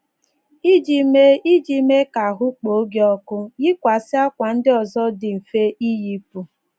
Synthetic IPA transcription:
i˦d͡ʒi˦me˦i˦d͡ʒi˦me˦ka˨ɦʊ˦k͡po˨˦ɡe˦ɔ˦kʊ˦jɪ˦kʷa˨sɪ˦a˦kʷa˨n̩˦dɪ˦ɔ˨zɔ˦dɪ˨m̩˨fe˦ʔi˦ji˦pu˦

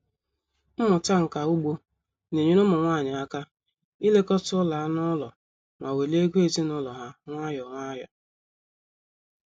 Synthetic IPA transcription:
m̩˦mʊ˨ta˦ŋ̩˨ka˨u˦ɡ͡bo˦ | ne˨ɲe˦nʊ˦mʊ˨ŋʷaː˦˨ɲɪ˨a˦ka˦ | i˦le˦kɔ˦tʊ˦la˨˦nɔ˦lɔ˨ | ŋʷa˨we˨le˦ɡʷe˦ti˦nɔ˦lɔ˨ɦa˦ŋʷa˦jɔ˨ŋʷa˦jɔ̰˨

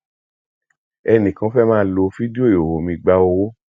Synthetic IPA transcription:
ɛ˧nĩ˨kã˧˦fɛ˦mãː˦˧˦lo˧fi˦di˦o˦˨o˨ho˨mĩ˧ɡ͡ba˦wo˧wo˦

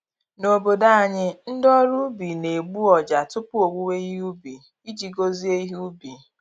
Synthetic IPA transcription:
no˨bo˨da˦a˨ɲɪ˦n̩˦dɔ˦ɾu˦bi˨ne˨ɡ͡bu˦ɔ˨d͡ʒa˨tʊ˦pʊ˦o˨ɡ͡bʷu˦we˦i˦ɦu˦bi˨ | i˦d͡ʒi˨ɡo˦zi˦e˦i˦ɦu˦bi˨

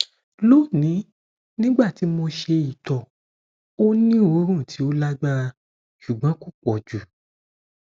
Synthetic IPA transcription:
lo˦˨nĩ˨˦ | nĩ˦ɡ͡ba˦˨ti˨˦mo˧ʃe˧i˨tɔ˨ | o˦nĩ˦o˧˦ɾ̃ũ˦˨tʰi˨˦o˦la˦ɡ͡ba˦˧ | ʃu˨ɡ͡bɔ̃˨˦ku˦˨k͡pɔ˨d͡ʒu˨

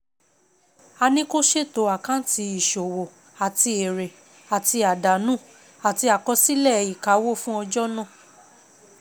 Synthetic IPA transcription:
a˧nĩ˦ko˦ʃe˦˨to˨˦a˨kã˦n˦ti˧i˨ʃo˨wo˨ | a˨ti˧e˨ɾe˨ | a˨ti˧a˨da˨nũ˦˨ | a˨ti˧a˨kɔ˧si˦lɛ˦˨i˨ka˨˦wo˦˨fũ˦ɔ˧d͡ʒɔ˦nɔ̃˦˨

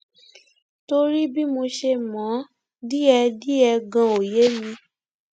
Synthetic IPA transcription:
to˧ɾi˦bi˦mo˧ʃe˧mɔ̃˨˦ | di˦ɛ˧di˦ɛ˧ɡã˧o˨je˨˦mĩ˧

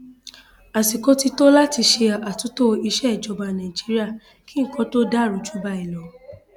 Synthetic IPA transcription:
a˨si˨kɔ˨˦ti˧to˦la˦ti˧ʃe˧a˨a˨tũ˨˦to˦i˧ʃɛ˦˨d͡ʒɔ˧ba˧nã˨i˨d͡ʒi˨˦ɾi˦a˦˨ | kĩ˨˦ŋ̩˨kɔ̃˨˦to˦da˦˨ɾu˨˦d͡ʒu˦ba˧i˨lɔ˨˦

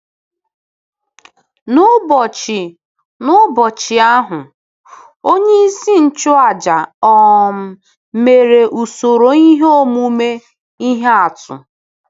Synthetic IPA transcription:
nʊ˦bɔ˨t͡ʃɪ˨ | nʊ˦bɔ˨t͡ʃɪ˨a˦ɦʊ˨ | o˦ɲe˦i˦si˦n̩˦t͡ʃʊ˦a˦˨d͡ʒa˨ɔ˨m̩˦˨ | me˨ɾe˨ʔu˨so˨ɾo˨i˦ɦe˦o˦˨mu˦me˦ | i˦ɦe˦a˨tʊ̰˨

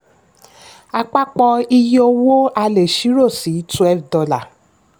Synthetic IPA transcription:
a˧k͡pa˦k͡pɔ˧i˧jo˧wo˦a˧le˨ʃi˨˦ɾo˦˨si˨˦tu˧˦ɛ˦˧˨dɔ˨˧la˨

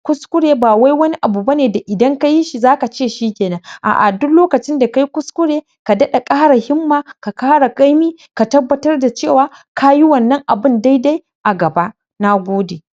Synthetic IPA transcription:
kʷʊ˦skʷʊ˦ɽeː˨baː˨wa˦jwɐ˦ni˦ʔa˨bu˨ba˦neː˨da˨ʔɪ˨dɐ˦ŋka˦ji˦ʃi˨zaː˦ka˨t͡ʃeː˦˨ʃiː˦kʲeː˨nɐ˦ŋʔa̰ː˨ʔa̰˨dʊ˦kloː˦kɐ˨t͡ʃɪ˦nda˨ka˦ji˦kʷʊ˦skʷʊ˦ɽeː˨ | ka˨dɐ˦ɗa˨kʼaː˦ɽa˨hɪ˦mːaː˨ka˨kaː˦ɽa˨kʼa˦jmiː˦ | ka˨tɐ˦bːɐ˦tɐ˦rda˨t͡ʃeː˦˨waː˦ka˦ji˦wɐ˨nːɐ˦ŋʔa˨bɪ˦nda˦jda˦j | ʔa˨ɡɐ˨ba˦ʔ | na˦ɡʷoː˦de˨

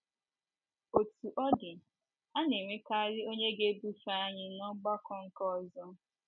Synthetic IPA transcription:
o˨tu˨ʔɔ˦dɪ˨ | a˦ne˨ŋʷe˦ka˦ɾɪ˦o˦ɲe˦ɡe˦bu˦fa˦a˦ɲɪ˦nɔ˦ɡ͡ba˦kɔ˦ŋ̩˦kɔ˦˨zɔ˦

